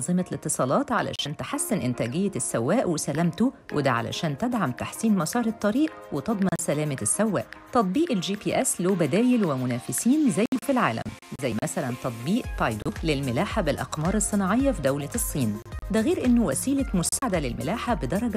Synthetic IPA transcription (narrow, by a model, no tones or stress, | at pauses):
zˤɨmɑlɪt̪ːɨsˤɑːlɑːt̪ʕa̰læ̰ʃæːnt̪eħasːɪnʔɪnt̪æːɡɪjːæsːæwːæːʔwesælæmt̪ʊwʔḛd̪æʕa̰læ̰ʃæːnt̪æd̪ʕamt̪aħsiːnmɑsˤɑːɾˤɑt̪ˤːɑɾiːʔwet̪ɑd̪ˤmɑnsælæːmæsːæwːæ̰ːʔt̪ɑt̪ˤbiːʔeld͡ʒiːpiːʔæsloːbæd̪æːjɪlwɪmʊnæːfɪsiːnzæjːfilʕaːlæ̰mzæjːmæsælænt̪ɑt̪ˤbiːʔt̪ɑjd̪ulɪlmɪlaːħabɪlʔɑ̰qmɑːɾˤɨsˤːɨnɑːʕejːɑfid̪æwlæsˤːiːnd̪æɣeːɾʔɪnːʊwæ̰siːlæmʊsaʕad̪ælɪlmɪ̰laːħabed̪ɑɾˤɑɡæ